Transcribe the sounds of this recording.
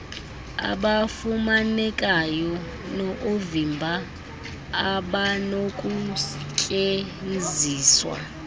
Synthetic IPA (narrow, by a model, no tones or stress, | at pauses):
a̰ɓafumanɛkʼajɔ | nɔʔovimbʱaː | ɓanokʼukʼenziːswa̰